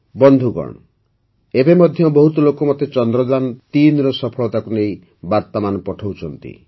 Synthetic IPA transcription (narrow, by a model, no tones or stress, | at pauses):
bɔnd̪ʱuɡɔ̰ɳ̃ɔ | ebemɔd̪ʱjɔbɔɦut̪ɔlokɔmɔt̪et͡ʃɔnd̪ɾɔd̪ant̪inɾɔsɔpʰɔɭɔt̪akunei | baɾt̪ɔmanɔpɔʈʰowt͡ʃʰɔnt̪ḭ